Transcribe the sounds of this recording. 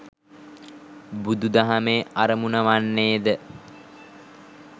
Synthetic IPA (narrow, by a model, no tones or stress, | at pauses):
bud̪ud̪aɦameːaɾəmunəʋanːeːd̪ə